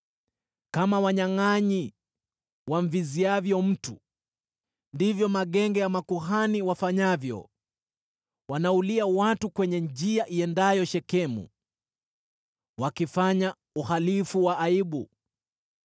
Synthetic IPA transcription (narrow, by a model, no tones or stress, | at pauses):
kamawaɲaŋaɲi | waɱ̩viziavjɔm̩tu | ndivjɔmaɠɛŋɡɛjamakuɦaniwafaɲavjɔ̰ | wanauliawatukwɛɲɛɲd͡ʒiaʔiɛndajɔʃɛkɛmṵ | wakifaɲa | uhalifuwaʔːiɓu